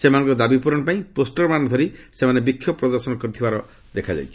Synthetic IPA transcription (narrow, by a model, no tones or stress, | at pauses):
semanɔ̃ŋkɔd̪abipuɾɔnɔpãĩposʈɔɾmanɔd̪ʰʱɔɾisemanebikʰːjɔpɾɔd̪ɔɾsɔnɔkɔɾit̪ʰibaɾɔ | d̪ekʰad͡ʒa̰jt͡ʃʰi̥